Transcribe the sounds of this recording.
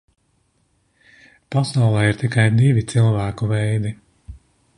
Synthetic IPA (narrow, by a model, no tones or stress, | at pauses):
pasawlˠɛːiɾt̪ikajd̪ivit̪silˠvæːkuvɛjd̪i